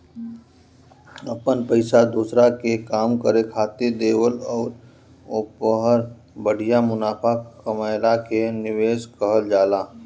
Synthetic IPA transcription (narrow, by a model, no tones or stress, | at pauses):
əpənpəɪsad̪uːsɾakekaːmkəɾekʰaːt̪ed̪eːwəlɔːɾ | ʊpəɦəɾ | bəɽ̤ijamʊnaːpʰakəmaːɪlakenɪʋeːskəɦəld͡ʒaːlaː